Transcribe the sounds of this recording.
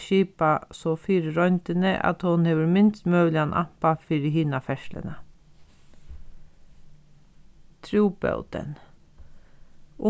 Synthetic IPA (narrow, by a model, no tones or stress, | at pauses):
ʃiːpasɔfiːɾɾɔʏnt̪ənəʔa̰t̪hʊnheːʋəɾmɪnst̪mœːlɪanʔa̰pafiːɾɪɦiːnafɛʃlə̰nə | t̪ʰɾuːpœ̰wt̪ə̰n | ʊ